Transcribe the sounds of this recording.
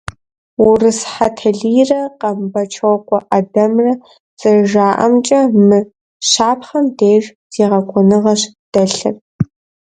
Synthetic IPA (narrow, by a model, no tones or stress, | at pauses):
wʊrɨsħatʰɐɮiːrɐqɐmbɐt͡ʃʰɐwkʷʼɔʔadɐmrɐ | zʼɨʒaːʔɐ̰mt͡ʃʼɐmɨ | ɕaːpχɐmdeːʒz̥eːʁɐkʷɔnɨʁɐɕd̥ɐɬɨ̰r